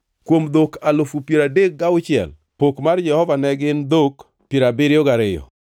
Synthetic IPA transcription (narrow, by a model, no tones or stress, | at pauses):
kwomd̪okalofupjeɾadek̚ɡaʊt͡ʃɪɛ̰l | pokmard͡ʒɛhɔvanɛɡɪnd̪ok | pjeɾabɪɾɪjoɡaɾɪjɔ̰